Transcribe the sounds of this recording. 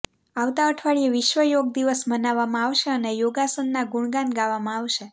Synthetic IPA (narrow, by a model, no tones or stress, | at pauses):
aʋt̪aəʈʰʋaɭijeʋɪʃʋəjoɡ̚d̪iʋəsmənaʋːamãaʋʃeənejoɡasənːaɡuɳ̃ɡãnɡaʋːamãaʋʃe